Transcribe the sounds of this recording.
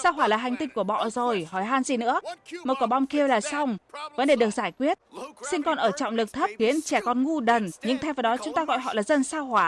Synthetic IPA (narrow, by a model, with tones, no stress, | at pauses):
saː˧wɦwaː˧˩laː˨˩ɦa˨˩j̟t̪ï˧ŋ̟ku˧˩əɓɔ̰˧˨zo˨˩jhɔ˧˩jɦaː˧nzi˨˩nɨ̰˧˥əm̚ː˨˩kɔ˨˧˩ɓa˧˩wŋ͡mki˧əwlaː˨˩sa˧wŋ͡mvə˨˦nɗe˧˩ɗɨ˨˩ək̚zaː˧˩jkwi˦˥ət̚si˧nkɔ˨˩nʔəː˧˩t͡ɕɔ̰˧˨wŋ͡mlɨ˨˩k̚t̪ʰə˦˥p̚xi˨˦ənt͡ɕɛ˧˩kɔ˨˩nŋu˧ɗə˨˩nɲɨ̰˧˥ŋt̪ʰɛ˧˦jvaː˨˩ɗɔ˨˦t͡ɕʊ˨˦ŋ͡mt̪aː˧ɣɔ̰˧˨jɦɔ̰˧˨laː˨˩zə˧˩nsaː˧whwaː˧˩